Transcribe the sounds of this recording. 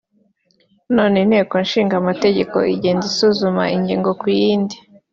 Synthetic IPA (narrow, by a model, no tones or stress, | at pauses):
noːnenhe̞ːko̞nʃiːŋɡamate̞ɟe̞ko̞̰iɟeːnzisuzuma̰iɲɟiːŋɡo̞kujiːndi